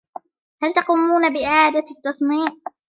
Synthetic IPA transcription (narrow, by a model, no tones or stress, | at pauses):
halt̪ɑquːmuːnabɪʔɪʕaːd̪at̪ːɑsˤniːʕ